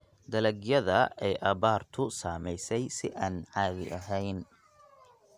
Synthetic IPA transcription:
d̪ɐlɐɡjɐðɐɛjʔɐβaːrt̪ʰʊsaːmɛjsɛjsɪʔaːnʕaːðɪ̰ʔɐɦɛjn

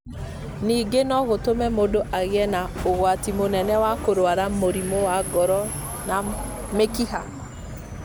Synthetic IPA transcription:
niɡenɔɣotomɛmodoʔaɣɛnaoɣwatimonɛnɛwakoɾwaɾamoɾimowaɡɔɾɔ | na | mekiha̰

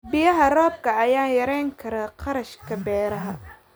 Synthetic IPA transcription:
bɪjɐɦɐrɔːb̚kʰɐɐjaːjɐɾɛjŋkʰɐɾɐqʰɑɾɐʃkʰɐbɛːɾɐɦɐ

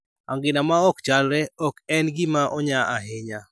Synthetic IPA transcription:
a̰ŋɡɪnamaɔkt͡ʃalɾɛɔkɛnɡɪmaʔɔɲaaɦɪɲa

